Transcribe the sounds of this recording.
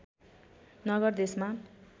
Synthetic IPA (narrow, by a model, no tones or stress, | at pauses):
nʌɡʌrd̪esma